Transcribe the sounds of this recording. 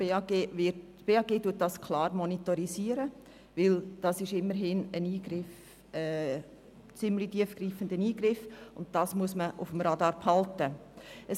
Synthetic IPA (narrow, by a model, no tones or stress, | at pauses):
b̥eːɑːɡeːɪ | b̥eːɑːɡeːtuət̚d̥ɑskʰlɑːɾmɔnitɔɾisiːəɾə | ʋɪld̥ɑsɪʃɪmːəɾɦɪnəniːɡɾɪf | ɛː | t͡sɪmlitiəfɡ̥riːfəndəniːɡɾɪfʊnt̚d̥ɑːsmuəsməʔʊfəm̩ɾɑdɑːɾphɑltəə